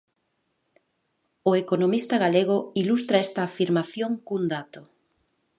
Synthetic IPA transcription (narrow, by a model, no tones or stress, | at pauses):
oekonomist̪aɣaleɣ̞ʊilust̪ɾaɛst̪aːfiɾmaθjoŋkund̪at̪o